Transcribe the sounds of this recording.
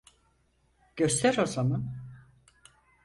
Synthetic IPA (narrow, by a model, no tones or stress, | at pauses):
ɟ̥øst̪ʰɛɾozamɯ